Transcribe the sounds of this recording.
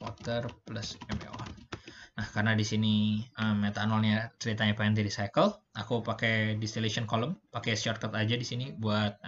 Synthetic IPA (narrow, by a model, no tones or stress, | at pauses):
wɔt̪ərplasɛmḛa̰nnahkarənadisiniəmɲet̪anɔlɲat͡ʃəɾit̪aɲapaɛnt̪idisajkəlʔakupakedist̪ilesiɔnkoləmpakest͡ʃarkat̪ad͡ʒadisinibuat̪̚